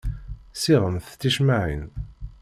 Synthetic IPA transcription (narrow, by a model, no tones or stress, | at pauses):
siʁəmθt͡sːiʃmaʕḭn